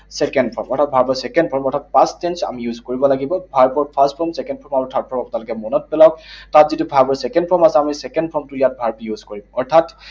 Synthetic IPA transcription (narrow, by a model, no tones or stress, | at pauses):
sɛkɛndpʰɔɹmɔɹtʰat̚bʱaɹpɔsɛkɛndpʰɔɹmɔɹtʰatpastɛnsa̰mijuzkoɹibɔlaɡibɔbʱaɹpɔɹpʰastpʰɔɹmsɛkɛndpʰɔɹmamɔtʰat̚pʰɔɹmapʊnalʊkɛmɔnɔt̚pɛlawktatzitubʱaɹpɔɹsɛkɛnpʰɔɹmasɛamisɛkɛndpʰɔɹmtʊijat̚bʱaɹpijuzkoɹimɔɹtʰat